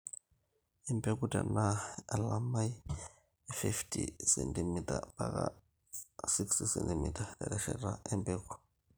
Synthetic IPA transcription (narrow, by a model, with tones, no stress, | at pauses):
ɛ˦mbe˦kuda˨na˦a˨la˦ma˦j | fi˦ftʰʼḭsɛntimitʼa˨paka | si˦kstisɛ˨ntimi˨tʰʼa˨da˨ɾɛ˨ʃɛɾa˦ɛ˦mbeː˦ku̥